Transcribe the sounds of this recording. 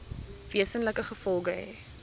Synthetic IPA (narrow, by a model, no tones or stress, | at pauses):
viəsənləkəχəfɔlˠɡəɦɛ̰